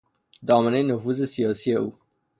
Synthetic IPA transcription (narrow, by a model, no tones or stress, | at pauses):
d̪ɑːmanenʊfuzesijɑsieṵ